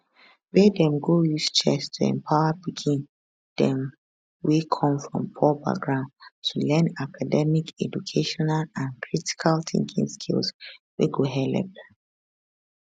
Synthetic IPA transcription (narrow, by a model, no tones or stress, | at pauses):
bedɛ̃mɡojust͡ʃɛstʰuɛ̰̃mpʰaʊapikʰĩn | d̥ɛ̃m | wekʰɔ̃mfɹɔ̰̃mpʰɔba̰ɡɹãntʰulɛ̃nakʰadɛmikʰɛd͡ʒukʰeʃɔnalãnkʰɹiti̥kʰalθḭ̃ŋkʰḭ̃ŋskʰḭlswḛɡoɦɛlɛ̰p̚